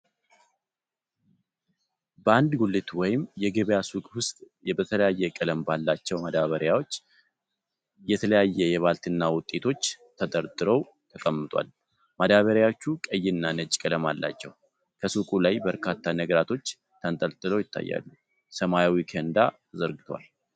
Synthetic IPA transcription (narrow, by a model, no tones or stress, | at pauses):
bəand̪ɡulːɨt̪wɔjɪmjɛɡəβəjasukʼwʊst̪ʼ | jɛbət̪ʰələjajːɛkʼɨləmbalːat͡ʃːɛwmad̪aβəɾjawo̞t͡ʃː | jɛt̪ʰələjajːɛjɛβalt̪ɨnːawʊt̪ʼːe̞t̪ʰo̞t͡ʃːt̪ʰəd̪əɾd̪ɨɾəw | t̪ʰəkʼəmːɨt̪ʼwa̰l | mad̪aβəɾjawo̞t͡ʃːukʼəjːɪnːanət͡ʃʼkʼələmalːa̰t͡ʃːɛw | kʰəsukʼulajbəɾkʰat̪ʰːanəɡɾat̪ʰo̞t͡ʃː | t̪ʰənt̪ʼəlt̪ʼɨlojɪt̪ʰːa̰jːa̰lːu | səmajawikʰend̪a̰ | zəɾɡɨt̪ʰwa̰l